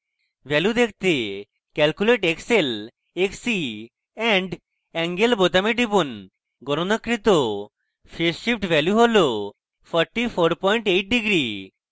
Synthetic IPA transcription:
bɛljud̪ek̚ʰt̪e | kɛlkuleʈeksel | eksi | ɛɳɖ | ɛŋɡelbot̪ameɖipon | ɡɔɾonakːɾit̪o | fʰeʃip̚ʈbɛljuɦolo | fʰəɾʈifʰoɾpɔjɳʈejʈ̚ɖiɡɾi

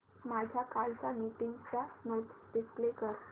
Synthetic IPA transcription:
mad͡ʑʱjakalt͡samiʈiŋɡt͡sanot̪ɖisplekəɾ

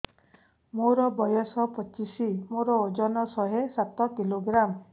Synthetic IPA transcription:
moɾɔbɔjɔsɔpɔt͡ʃisimoɾɔod͡ʒɔnɔsɔɦesat̪ɔkiloɡɾam

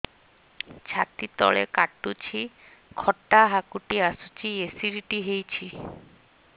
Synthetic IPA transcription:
d͡ʑʰat̪it̪ɔ̰ɭḛkaʈːut͡ɕʰi | kʰɔʈːaɦakuʈiasut͡ɕiesiɾiʈiɦejt͡ɕʰi

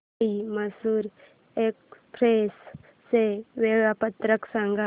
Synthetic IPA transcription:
iməsuːɾ | ekspɾesː | eʋeɭapət̪ɾəksãŋɡa

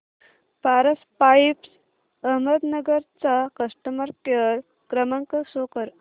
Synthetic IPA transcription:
paɾəspaips | əɦməd̪nəɡəɾt͡sakəʂʈəməɾtjəɾ | kɾəmaŋkəsokəɾ

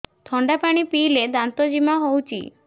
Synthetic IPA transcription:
t̪ʰɔɳɖapaɽ̃ipiled̪ant̪ɔd͡ʒimaɦowt͡ʃʰḭ

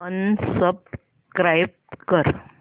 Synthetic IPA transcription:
ənsəb̚s | kɾajb̚ | kəɾ

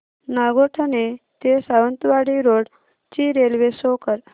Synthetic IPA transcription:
naɡoʈʰanet̪esaʋənt̪uʋaɽiɾoɽ | t͡ɕiɾelʋesokəɾ

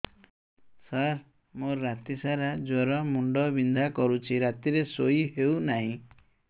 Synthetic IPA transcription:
saɾ | moɾat̪isaɾad͡ʒɔɾɔmuɳɖɔbind̪ʱakɔɾut͡ʃʰiɾat̪iɾesoiɦewnaɦĩ

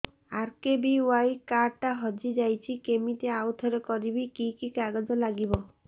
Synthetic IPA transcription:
aɾkebiuwajkaɾʈaɦɔd͡ʒid͡ʒajt͡ʃʰikemit̪eawt̪ʰɔɾekɔɾibikikikaɡɔd͡ʒɔlaɡibɔ

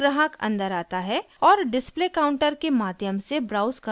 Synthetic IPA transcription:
ɾəɦəkɐ̰̃nd̪əɾaːt̪aɦɛ | ɔːɾɖɪspleːkaːʊ̃ɳʈəɾkemaːd̪ʱjəmsebɾaːʊskə

